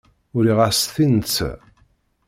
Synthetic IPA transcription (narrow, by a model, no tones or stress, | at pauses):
ʊɾiʁasθint͡sː